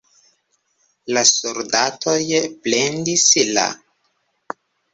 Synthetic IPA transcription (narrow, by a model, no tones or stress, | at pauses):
lasoɾdatʰo̞jplendisila̰